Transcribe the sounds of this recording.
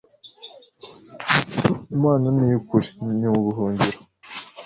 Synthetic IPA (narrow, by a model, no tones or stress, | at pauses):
imaːnanijikuɾeniuɡuɦuːɲɟiɾo